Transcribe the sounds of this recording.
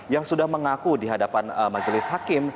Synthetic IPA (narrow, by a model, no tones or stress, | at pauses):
jaŋsudahməŋakudiɦadapanmad͡ʒlɪshakɪm